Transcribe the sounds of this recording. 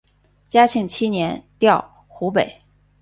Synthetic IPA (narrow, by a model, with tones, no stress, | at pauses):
t͡ɕja˥t͡ɕʰi˧˥ŋt͡ɕʰi˥njɛ˧˥nt̪jɑ˥˩ʊ | xu˧˥pe˨˩˦ɪ